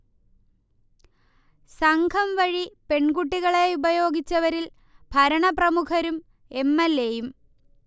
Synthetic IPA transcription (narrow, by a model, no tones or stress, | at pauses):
sɐŋɡʱɐmʋɐɻipe̞ɳɡuʈːiɣɐɭeubɐjo̞ːɡit͡ɕːɐʋɐɾil | bʱɐɾɐɳɐprɐmukʰɐɾum | e̞mːɐlːejum